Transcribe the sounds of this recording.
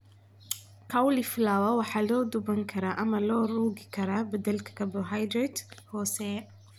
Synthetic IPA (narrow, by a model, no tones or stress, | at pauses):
kʰɐwlɪflaːwɐwɑħɑːlɔːd̪ʊbɐŋkʰɐɾaːʔɐmɐlɔːruːɣɪkʰɐɾaːbɐd̪ɐlkʰɐ̥kʰɐbɔɦajd̪ɾɛd̪hɔːsɛː